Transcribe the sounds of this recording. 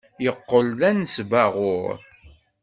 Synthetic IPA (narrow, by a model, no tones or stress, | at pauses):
jəqːəlðænsvæʁʊɾ